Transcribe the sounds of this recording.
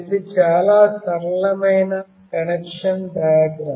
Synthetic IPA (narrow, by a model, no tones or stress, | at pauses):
iðɨt͡ɕaːlaːsɐɾlɐmɐjnɐ | kɐɳekʂɐnd̪ajɐɡɾɐː